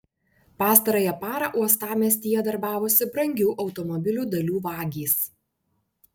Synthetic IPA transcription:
pɑːst̪ɐɾoːjɛpɑːɾɐˑʔuɔst̪ɑːmʲɛsʲt̪ʲiːjɛd̪ɐɾbɑːʋoːsʲɪbɾɐŋʲɡʲɛʊʔɒʊt̪ɔmɔbʲɪlʲuːd̪ɐlʲuːʋɑːɡʲiːs

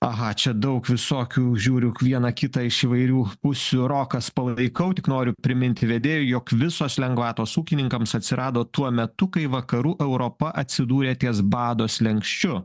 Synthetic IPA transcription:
ɐɣɐt͡ʃʲɛd̪ɐʊkʋʲɪsoːkʲuːʒʲuːɾʲʊʋʲiɛnɐkʲɪt̪ɐɪʃiːʋɐɪɾʲuːpʊsʲuɾoːkɐspɐlˠɐɪkɐʊt̪ʲɪknoːɾʲʊpʲɾʲɪmʲɪnʲt̪ʲɪʋʲɛd̪ʲeːjʊjoːkʋʲɪsoːslʲɛŋɡʋɑːt̪oːsuːkʲɪnʲɪŋkɐmsɐt̪ʲsʲɪɾɑːd̪oːt̪uɔmʲɛt̪ʊkɐɪʋɐkɐɾuːʔɛʊɾopɐʔɐt̪ʲsʲɪd̪uːɾʲeːt̪ʲiːsbɑːd̪oːslʲɛŋkʃʲt͡ʃʲʊ

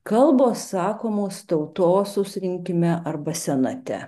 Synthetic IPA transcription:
kɐlˠboːsːɑːkoːmoːst̪ɐʊt̪oːsʊsʲɾʲɪŋʲkʲɪmʲɛʔɐɾbɐsʲɛnɐt̪ʲɛ̰

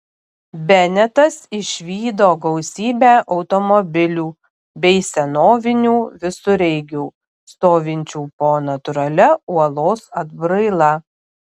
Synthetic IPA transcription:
bʲɛnʲɛt̪ɐsɪʃʲʋʲiːd̪oːɡɐʊsʲiːbʲæːʔɒʊt̪ɔmɔbʲɪlʲuː | bʲɛɪsʲɛnoːʋʲɪnʲuːʋʲɪsʊɾʲɛɪɡʲuː | st̪oːʋʲɪnʲt͡ʃʲuːpoːnɐt̪ʊɾɐlʲɛuɔlˠoːsɐd̪bɾɐɪlˠɐ

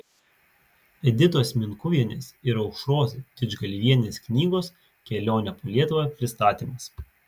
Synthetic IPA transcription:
ɛd̪ʲɪt̪oːsmʲɪnkʊʋʲiɛnʲeːsɪɾɐʊkʃɾoːzʲɪd̪ʲɪd͡ʒɡɐlʲiʋʲiɛnʲeːsknʲiːɡoːs | kʲɛlʲoːnʲɛpoːlʲiɛt̪ʊʋɑpʲɾʲɪst̪ɑːt̪ʲiːmɐs

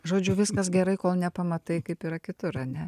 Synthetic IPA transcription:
ʒoːd͡ʒʲʊʋʲɪskɐs̬ɡʲɛɾɐɪkoːlˠnʲɛpɐmɐt̪ɐɪkɐɪpiːɾɐkʲɪt̪ʊɾɐnʲɛ

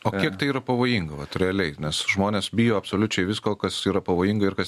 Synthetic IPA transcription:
oːkʲiɛkt̪ɐɪiːɾɐpɐʋoːjiŋɡɐʋɐt̪ɾʲɛɐlʲɛɪnʲɛsʒmoːnʲeːsbʲiːjoːɐpsoːlʲʊt͡ʃʲɛɪʋʲɪskoːkɐsiːɾɐpɐʋoːjɪŋɡɐɪɾkɐ

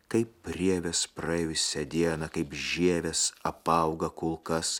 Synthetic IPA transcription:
kɐɪpːʲɾʲiɛʋʲɛspɾɐɛjʲʊsʲɛd̪ʲiɛnɐkɐɪpʒʲiɛʋʲɛsɐpɐˑʊɡɐkʊlˠkɐs

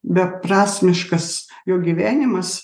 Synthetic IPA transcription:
bʲɛpɾɑːsʲmʲɪʃkɐs | joːɡʲiʋʲæːnʲɪmɐs

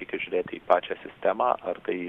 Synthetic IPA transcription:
ɪkʲɛʒʲʊɾʲeːt̪ʲiːpɑːt͡ʃʲæsʲɪsʲt̪ʲæmɑ̰ːʔɐrt̪ɐɪ

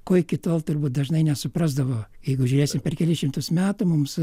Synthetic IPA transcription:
koːjkʲɪt̪oːlˠt̪ʊrbuːt̪̚d̪ɐʒnɐɪnʲɛsʊpɾɑzd̪ɐʋoːjɛɪɡʊʒʲuːɾʲeːsʲɪmpʲɛrkʲɛlʲɪʃʲɪmt̪ʊsmʲæːt̪ʊmʊms

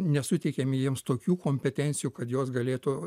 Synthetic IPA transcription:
nʲɛsʊt̪ʲɛɪkʲɛmʲɪjiɛmst̪oːkʲuːkoːmʲpʲɛt̪ʲɛnʲt̪sʲɪjuːkɐt̪joːsɡɐlʲeːt̪ʊ

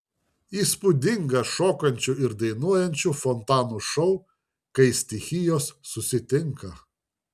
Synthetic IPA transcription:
iːspʊd̪ʲɪŋɡɐʃoːkɐnʲt͡ʃʲʊɪɾd̪ɐɪnuɔjɛnʲt͡ʃʲufɔnt̪ɑːnuʃɔʊ | kɐɪsʲt̪ʲɪxʲɪjoːsːʊsʲɪt̪ʲɪŋkɐ

